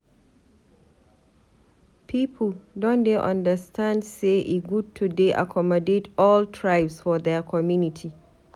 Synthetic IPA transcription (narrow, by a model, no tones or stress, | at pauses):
pʰiːpʰldɔ̃ndeʔãndəstãndseʔiɡud̚tʰudeʔa̰kʰɔmɔdetʰɔltʰɹajbsfɔðɛkʰɔmjunitʰi